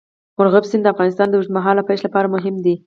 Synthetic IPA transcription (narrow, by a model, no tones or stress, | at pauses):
mʊɾɣabsind̪əafɣɑnɪst̪ɑnd̪əuʒd̪maɦɑlapajʃlapɑɾamʊɦɪmd̪i